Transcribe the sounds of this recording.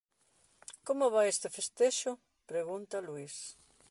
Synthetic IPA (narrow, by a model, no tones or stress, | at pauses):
komʊβajest̪efest̪eʃʊ | pɾeɣunt̪ɐluis